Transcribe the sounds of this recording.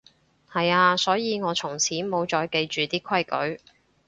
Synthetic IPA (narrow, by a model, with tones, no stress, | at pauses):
hɐ˨jaː˧sɔː˨˥jiː˨˧ŋɔː˨˧t͡sʰʊ˨˩ŋt͡sʰiː˨˥mo˨˧wt͡ʃɔː˧jke˧jt͡ʃyː˨t̪iː˥kʰɐ˥jkɵ̰˨˥ɥ